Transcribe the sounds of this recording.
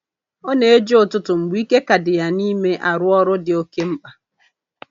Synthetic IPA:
o˦ne˨e˦d͡ʒe˦ʊ˨tʊ˦tʊ˨m̩˨ɡ͡bʊ˨˦i˦ke˦ka˨dɪ˨ja˨ni˦me˦ʔa˨ɾʊ˦ɔ˦ɾʊ˦dɪ˨o˦ke˦m̩˦k͡pa˨

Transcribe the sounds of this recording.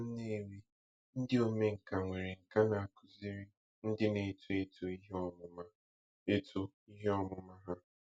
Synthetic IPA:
n̩˦ne˦ɾi˦ | n̩˦dɪ˦o˦me˦ŋ̩˨ka˨ŋʷe˨ɾi˨ŋ̩˨ka˦na˨a˨kʰʊ̥˨zi˦ɾɪ˦ | n̩˦dɪ˦ne˨tu˦e˦tu˦i˦ɦɔ˦mʊ˦ma˦ | e˦tʰu˦ | i˦ɦe˦ɔ˦mʊ˦ma˦ɦa˦

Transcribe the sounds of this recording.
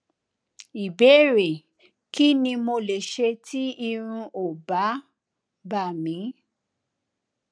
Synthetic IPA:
i˨bɛ˨˦˨ɾe˨ | ki˦nĩ˧mo˧le˨ʃe˧tʰi˦i˧ɾ̃ũ˧ʔo˨ba˨˦ | ba˦˨mĩ˨˦

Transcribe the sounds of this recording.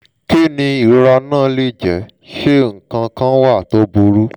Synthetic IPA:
ki˦˨nĩ˧i˨ɾɾa˧nãː˦˨˦li˦˨d͡ʒɛ˨˦ | ʃe˦ŋ̩˨kã˧kã˦wa˦˨to˨˦bu˧ɾu˦

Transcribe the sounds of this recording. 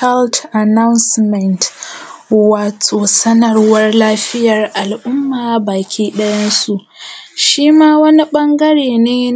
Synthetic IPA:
a˦ltʔa˨na˦wnsmɛ˨nt | waː˨tʼoː˨sɐ˦nɐ˨rwɐ˦rlaː˦ɸɪ˦jɐ˨rʔa˨lʔʊ˦mːaː˨baː˨kʲʰiː˦ɗɐ˦jɐ˦nsu˨ʔʃiː˦maː˦wɐ˦ni˦ɓɐ˦ŋɡɐ˦ɽeː˨neː˦

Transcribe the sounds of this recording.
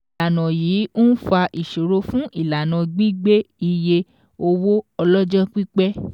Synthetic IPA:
la˨nã˨jiː˨˦u˦n̩˦fa˧ʔi˨ʃo˨ɾo˧˦fũ˦ʔi˦˨la˨nã˨ɡ͡bi˦ɡ͡be˦i˧je˧ | o˧wo˦ɔ˧lɔ˦d͡ʒɔ˦k͡pi˦k͡pɛ˦

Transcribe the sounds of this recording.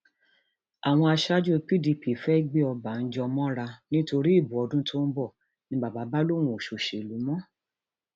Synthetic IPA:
a˨w̃ɔ̃˧a˧ʃa˦d͡ʒu˦e˧k͡pi˦di˨˧pi˨fɛ˦i˦ɡ͡be˦ɔ˧ba˨n̩˦d͡ʒɔ˧mɔ̃˦ɾa˧nĩ˦to˧ɾi˦i˦˨bu˨˦ɔ˨˧dũ˦tʰo˦n̩˦bɔ˦˨ | nĩ˦ɡ͡ba˨ba˨˦ba˦lo˦˨w̃ũ˧˨o˨ʃo˨ʃe˨lu˨˦mɔ̃˦

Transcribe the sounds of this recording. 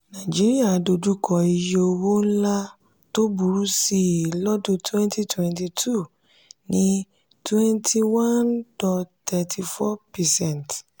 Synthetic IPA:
nã˨d͡ʒi˦ɾi˦a˦˨do˧du˦kʰɔ˨˧i˧je˧o˧wo˦n̩˦la˦ | to˦bu˨˧ɾu˦si˦˨lɔ˦dõ˦twɛ̃˦ntʰi˦twɛ̃˨nti˧tʰu˦˨ | nĩ˦ | twɛ̃˦˧ntʰi˧wã˦ndɔ˨tɛ˧tʰi˧fɔ˦pɛ˨sɛ̃˦˨nt

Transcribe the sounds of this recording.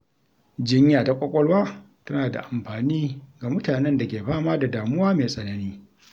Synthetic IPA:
d͡ʒɪ˦ɲjaː˨ta˦kʷʼɔ˦kʷʼɔ˦lwaː˦ | tɐ˦naː˨da̰˨ʔa˨mɸaː˨niː˦ɡa˨mʊ˦taː˨nɛ˦nda˨kʲeː˨ɸaː˦maː˦da˨daː˨mʊ˦waː˦meː˨sʼɐ˨nɐ˦niː˦

